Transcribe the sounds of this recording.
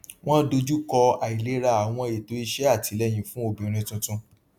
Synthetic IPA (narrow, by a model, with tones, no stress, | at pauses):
w̃ɔ̃˦do˧d͡ʒu˦kɔ˧a˨i˨le˨˦ɾa˦˨a˨w̃ɔ̃˧e˨to˨˦i˧ʃɛ˦a˦˨ti˨˦lɛ˦j̃ĩ˧fũ˦o˦˨bĩ˨ɾ̃ĩ˧tũ˧tũ˧